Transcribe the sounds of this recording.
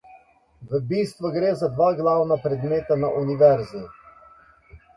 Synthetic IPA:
ʋəbiːst̪ʋuɡɾeːzad̪ʋaːɡlawnapɾɛd̪meːt̪anaʔuniʋɛɾzi

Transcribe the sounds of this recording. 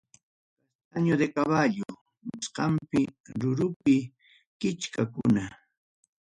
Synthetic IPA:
kast̪aɲʊd̪ekaβaʎʊ | mʊsqɑmpɪɾʊɾʊpɪ | kɪt͡ʃkakʊ̰na

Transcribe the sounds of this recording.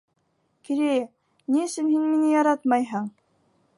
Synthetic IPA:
kiɾejɘ | niɘ̆sɘnhinminɘjɑɾɑt̪mɑjɦɤɴ

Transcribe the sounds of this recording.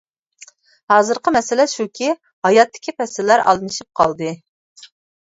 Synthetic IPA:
hɑːzɨɾqəmɛsɪlɛʃukʲʰi | hɑjɑt̪ːɪ̥kʲipʰɛsɪlːæɾɑ̰lˠd̪ɨnɨʃip̚qʰɑlˠd̪ɨ

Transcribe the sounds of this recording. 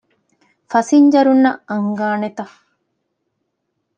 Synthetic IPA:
fɐsiɲd͡ʒɐɾunːɐɐŋɡaːnet̪ɐ

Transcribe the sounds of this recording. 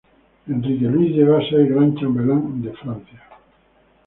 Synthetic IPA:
ẽndrikelwizʎeɣasejɣɾant͡ʃambelaŋd̪efɾãn̟θja

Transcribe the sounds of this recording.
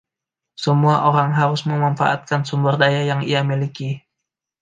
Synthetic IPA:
səmuaʔoɾaŋɦaɾʊsməmanfa̰ʔa̰t̪̚kansumbərdajajaŋiamiliki

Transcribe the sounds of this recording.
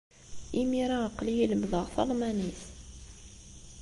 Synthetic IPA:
imiɾaəqːlijiləmðˤəʁθɑ̰lˤmænis

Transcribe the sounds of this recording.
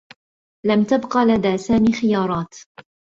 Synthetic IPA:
lamt̪abqɑlad̪aːsaːmiːxɪjɑːɾˤɑːt̪

